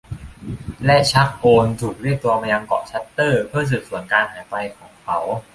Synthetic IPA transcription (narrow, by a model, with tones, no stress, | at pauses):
lɛ˦˥ʔt͡ɕʰa˦˥k̚ʔoː˧nsʰu˨˩t̪̚ɾi˥˩t̚t̪ːu˧ɐmaː˧ja˧ŋkɔ̰˨˩t͡ɕʰa˦˥t̪ːɤː˥˩pʰɯ˥˩ɐs̬ɯ˨˩su˨˩˦ənkaː˧nhaː˩˦jpa˧jkʰɔː˩˦ŋkʰa˦˥w